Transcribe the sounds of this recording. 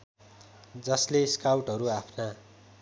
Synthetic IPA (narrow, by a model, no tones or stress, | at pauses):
d͡zʌsleskawʈʌɾuapʰna